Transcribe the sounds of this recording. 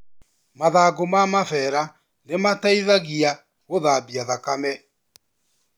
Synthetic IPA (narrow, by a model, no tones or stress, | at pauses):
maðaːɡomamafɛːɾa | nemataiðaɣia | ɣoðaːbiaðakamɛ